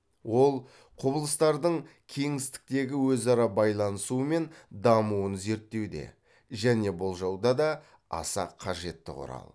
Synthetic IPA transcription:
wo̞lˠ | qʰʊbəlˠəst̪ɑɾd̪əɴkʲʰe̞ŋɪst̪ɪ̥k̚t̪e̞ɡʲɪwɵzɑɾɑbɑjlˠɑnəsuəme̞nd̪ɑmuənze̞ɾt̪ːe̞wd̪e̞̰ | ʒæne̞bolˠʒɑwd̪ɑd̪ɑ | ɑ̰sɑ̰qʰɑʒe̞t̪ːɪ̰qʰʊ̰ɾɑ̰lˠ

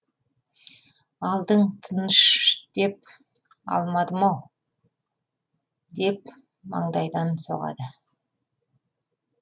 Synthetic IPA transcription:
ɑlˠd̪əɴt̪ʰənəʃd̪̥e̞p̚ | ɑ̰lˠmɑd̪əmɑw | d̪e̞p | mɑ̰ɴd̪ɑjd̪ɑnso̞̰ʁɑ̰d̪ə

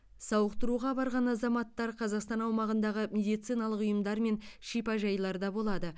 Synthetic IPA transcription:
sɑwəqt̪əɾuʁɑbɑɾʁɑnɑzɑmɑt̪ːɑɾqʰɑzɑqst̪ɑnɑwmɑʁənd̪ɑʁəmʲe̞d̪ijt̪sijnɑlˠəqʊjəmd̪ɑɾme̞nʃijpɑʒɑjlˠɑɾd̪ɑbo̞lˠɑd̪ə

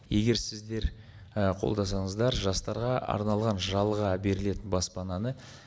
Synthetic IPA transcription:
je̞ɡʲe̞ɾsɪzd̪e̞ɾ | əqʰo̞̰lˠd̪ɑsɑɴəzd̪ɑɾʒɑst̪ɑɾʁɑɑ̰ɾnɑlˠʁɑnʒɑlˠʁɑbe̞ɾɪle̞t̪ɪnbɑspɑnɑnə

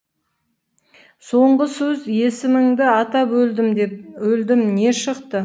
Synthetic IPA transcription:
so̞ɴɢəsɵzje̞sɪmɪŋd̪ɪɑt̪ɑpɵld̪ɪmwɵld̪ɪmne̞ʃəqt̪ə

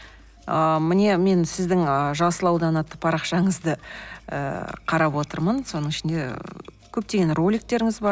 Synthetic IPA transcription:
əmɪne̞me̞nsɪzd̪ɪŋəʒɑsəlˠɑwd̪ɑnɑt̪ːəpʰɑɾɑqʃɑɴəzd̪əə̰qʰɑɾɑpwo̞t̪əɾmənso̞nəɴɪʃɪnd̪e̞ | kʲʰɵp̚t̪e̞ɡʲe̞nrolʲik̚t̪e̞ɾɪŋɪzbɑɾ

